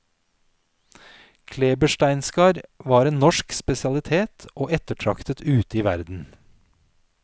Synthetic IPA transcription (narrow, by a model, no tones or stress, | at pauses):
kʰleːbəʃʈæɪnskɑːɾʋɑːɾeːnnɔʃkspɛsɪɑlɪt̪ʰeːt̪ʰʔoːʔɛt̪əʈʰɾɑkt̪ət̪ʉːt̪iːʋæ̰ɾd̪n̩